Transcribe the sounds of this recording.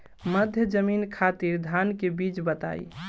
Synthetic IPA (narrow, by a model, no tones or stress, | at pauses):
məd̪ʱjəd͡ʒəminkʰat̪iɾd̪ʱankebit͡ʃbət̪a̰j